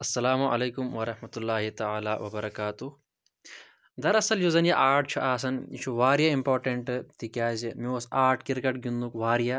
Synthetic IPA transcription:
ɐsːɐlaːmuɐ̰leːkumʋɐɾɐhmɐt̪ulːaːɦit̪ɐaːlaːʋɐbɐɾɐkaːt̪uh | d̪ɐɾɐsɐljozɐnjaʔaːʈ̚ʰt͡ʃʰuʔaːs̬ɐnḭt͡ʃʰuʋaːɾjaimpoːɾʈɐɳʈt̪ikʲaːzimiosaːʈʰkiɾkɐʈɡund̪ukʋaːɾija

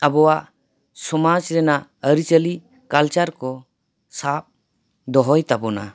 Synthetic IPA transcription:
əbɔwaʔ | sɔmad͡ʒɾɛnaəɾit͡ʃəli | kalt͡ʃaɾkɔ | sap̚ | d̪ɔɦɔjt̪abɔna̰

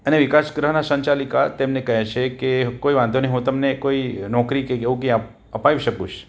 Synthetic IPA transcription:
əneʋɪkaʃɡɾəɦənasə̃ɲt͡ʃalikat̪emnekəɦet͡ʃʰekekoiʋãnd̪oneɦũt̪əmnekoinɔkɾikekeʋũk̬eap | əpaʋiʃəkũʃʰ

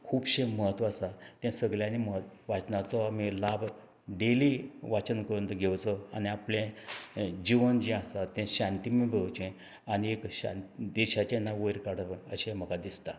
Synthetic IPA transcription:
kʰuːbɕẽməɦət̪ʋasat̪ɛ̃səɡljãnimət̪ʋat͡snat͡sɔamilab | ɖeliʋat͡sənkəɾunt̪əɡʱewt͡sɔaniaplẽ | d͡ʑiʋənd͡ʑĩasat̪ɛ̃ɕãnt̪imẽbʱəwt͡ɕɛ̃ | aniekɕã̰nt̪d̪eɕat͡ɕenːaʋojɾkaɽəʋəɕẽm̤əɡad̪ist̪a

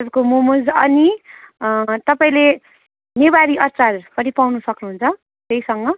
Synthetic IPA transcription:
ʌd͡zukomumud͡zʌni | t̪ʌpaĩle | nebaɾiʔʌrt͡salpʌɾipawnusʌknuɦunt͡sʰʌ | t̪eisʌŋɡʌ

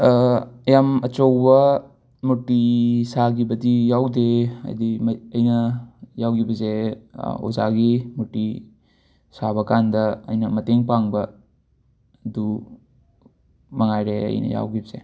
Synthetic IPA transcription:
jamɐt͡ʃowbɐ | mutːisaɡibɐdijawdeɐ̰dimɐjnɐjawɡibɐze | o̰za̰ɡimuʈi | sabɐkandɐ̰ːjnɐmɐteŋpaŋbɐ | du | mɐŋajɾeɐ̰jnɐ̰ja̰wɡibɐze

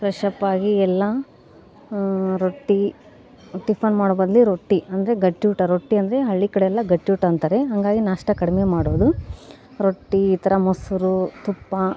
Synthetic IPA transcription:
pɾɐʂɐpːaːɡiɛlːɐ | ɾoʈːi | ʈːipʰɐnmaːɽbɐd̪ɐlːiɾoʈːiɐnd̪ɐɾeɡɐʈːjuːʈɐɾoʈːiɐnd̪ɐɾe̞ɦɐɭːikɐɽeɛlːɐɡɐʈjuːʈɐnt̪aːɾeɦɐŋɡaːɡinaːʂʈɐkɐɽimemaːɽoːd̪u | ɾoʈːiːt̪ɐɾɐmɐsuɾut̪upːɐ

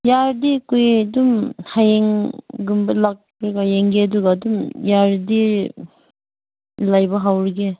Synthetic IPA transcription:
jaɾdikujdumhajeŋɡumbɐlak̚ | ɾiɡajeŋɡeduɡadumjaɾdi | lajbɐɦawɾɡe

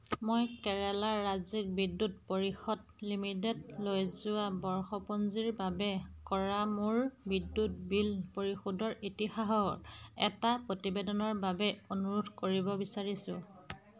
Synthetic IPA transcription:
mojkɛɹɛlaːazik̚bidːut̚poɹixɔd | limitedlojzʊwabɔɹxɔpɔnziɹbabɛkɔɹamuɹbidːut̚bilpoɹixɔdɔɹʔitixaɦɔɛ̰tapɹotibɛdɔnɔɹbabɛonuɹutkoɹibɔbisaɹisʊ̰̃

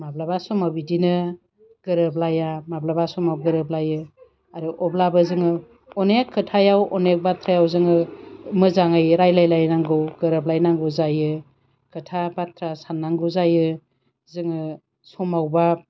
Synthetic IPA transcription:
mablabasɔmabidinɯ | ɡ̥ɯɾɯblajamablabasɔmawɡɯɾɯb̚lajɯ | aɾɯʔɔblabɯzɯŋɯ | ɔnekʰːɯtʰajawɔnek̚batʰɾajawzɯŋɯmɯzaŋɯjɾajlajlajnaŋɡɯwɡɯɾɯb̚lajnaŋɡɯzajɯ | kʰɯtʰabatɾasanːaŋɡɯzajɯ | zɯŋɯ | sɔmawba

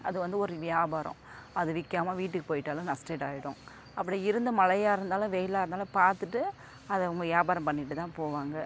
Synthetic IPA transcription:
ɐðɯʋɐnd̪ɯɔɾɯʋɪjaːbaːɾɐ̰̃ɐðɯʋɪkːaːmaːʋiːʈːɯkːɯ̥poːjɪʈːaːlɐ̃nãːsʈeːʈaːjɪɽʊ̰̃ | ɐpːɐɽiɪɾɯnd̪ɐmɐlɐjaːɪɾɯnd̪aːlʊ̃ʋɛjlaːɪɾnd̪aːlɐ̃paːɾt̪ɯʈːɯ | ɐðɐʊŋɡɐʋɪjaːbaːɾɐ̃mpɐɳːɪʈːɯt̪ãːpoːʋaːŋɡɐ

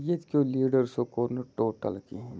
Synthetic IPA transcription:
jet̪koliːɖəɾsokoːɾnəʈoːʈə̰lkiɦ

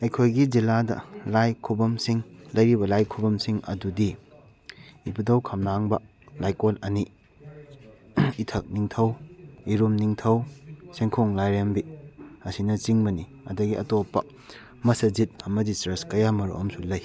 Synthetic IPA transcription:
ɐjkʰojɡid͡ʒiladɐ̰lajkʰubɐmsiŋlɐjɾibɐlajkʰubɐmsiŋɐ̰dudi | ibudɐwkʰɐmnaŋbɐ | lajkolɐni | tʰɐk̚niŋtʰɐwiɾumniŋtʰɐwseŋkʰoŋlajɾembiɐsinɐt͡ʃiŋbɐni | ɐ̰dɐɡiʔɐ̰topːɐ̰ | mɐsɐd͡ʒit̚ɐmɐdisɾeskɐjamɐɾṵʔɐmsulɐj

